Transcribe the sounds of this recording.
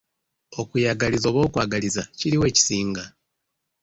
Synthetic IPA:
o̞kujaɡalizo̞ːβo̞ːkwaːɡalizaciɾiwe̞ːci̥siːŋɡa

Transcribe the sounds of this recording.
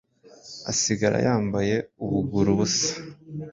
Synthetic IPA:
a̰siɡaɾa̰jʔaːmbaje̞uβuɡuɾuβusḁ

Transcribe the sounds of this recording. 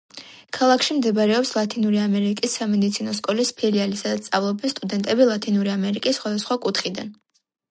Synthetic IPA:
kʰalˠakʰʃimd̪ɛbɾɛɔpslˠat̪ʰinuɾiamɛɾikʼisːamɛd̪it̪sʰinɔskʼɔlispʰɛɾialisad̪at̪ssʼavlˠɔbɛnst̪ʼud̪ɛnt̪ʼɛbilˠat̪ʰinuɾiamɛɾikʼisːχwad̪asχwakʼut̪ʰχid̪a̰n

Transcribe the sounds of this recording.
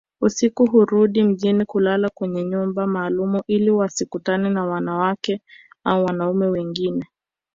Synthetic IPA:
usikuɦuɾuɗim̩ʄinikulalakwɛɲɛɲumbamaːlumuʔiliwasikutanɛnawanawakɛ | auwanaumɛwɛŋɡinɛ

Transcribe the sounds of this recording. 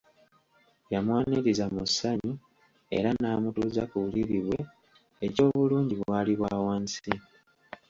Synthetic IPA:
jamwaːniɾizamusːaɲu | e̞̰ɾanaːmutuːza̰kuuliɾiβwe | eco̞ːβuluːɲɟiβwaːliβwaːwaːnsi

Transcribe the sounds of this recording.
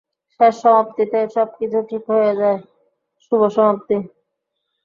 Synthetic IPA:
ʃeʃːɔmopt̪it̪eʃɔb̚kit͡ɕʰuʈʰikɦojed͡ʑae | ʃuboʃɔmop̚t̪i

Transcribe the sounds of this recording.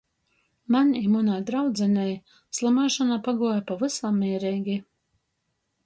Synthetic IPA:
manʲimunajd̪ɾawd̪zɛnʲɛj | slˠamaːʃanapaɡuɔjapavɨsamːiːɾɛjɡʲi

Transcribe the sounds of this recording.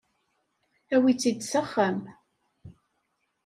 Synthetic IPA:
æwit͡sːid̪səχːəm

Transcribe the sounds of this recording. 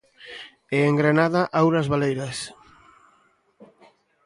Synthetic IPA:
eeŋɡɾenaðaʔawɾɐzβalejɾas

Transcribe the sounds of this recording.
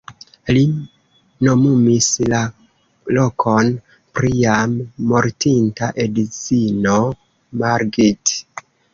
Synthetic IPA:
li | no̞mumisla | lo̞kʰon | pɾiamːo̞ɾtintaʔedit͡sino̞ | maɾɡit

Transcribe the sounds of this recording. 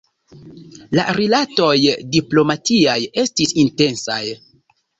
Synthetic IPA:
la̰ɾilato̞jdiplo̞matiaje̞stisinte̞nsa̰j

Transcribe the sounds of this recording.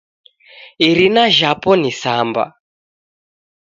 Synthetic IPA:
iɾinaʒapɔnisamba̰

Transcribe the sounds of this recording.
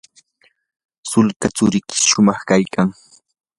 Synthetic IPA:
sʊlkat͡sʊɾɪkɪ̥sʃʊmɑχkajkaŋ

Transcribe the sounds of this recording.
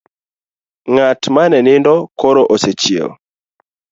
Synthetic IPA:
ŋatmanɛnɪndɔkoɾoʔɔsɛt͡ʃiḛl

